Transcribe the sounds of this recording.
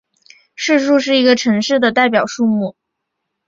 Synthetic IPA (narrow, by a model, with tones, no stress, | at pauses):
ʂɻ̩˥˧ʂu˥˧ʂ̬ɻ̩˥˩i˧˥ɡə˧ʈ͡ʂʰɤ˧˥ŋʂɻ̩˥˩d̪ə˩t̪a˥˩ɪp̬jɑ˨˩ʊʂu˥˧mu˥˩